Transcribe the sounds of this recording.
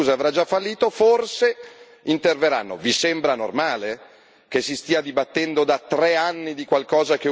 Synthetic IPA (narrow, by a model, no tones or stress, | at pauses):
uːzaavɾad͡ʒafːalːiːt̪oforse | int̪erveɾa̰nːo̰visembɾano̰rmaːle | k̟esːist̪iːad̪ibat̪ːɛnd̪od̪at̪ɾɛanːid̪ikwalkɔːzak̟e